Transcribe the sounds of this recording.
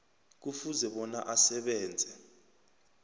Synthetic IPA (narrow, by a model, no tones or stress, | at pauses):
k̬ufuzɛɓɔna̰ʔasɛɓɛːnd͡zʱɛ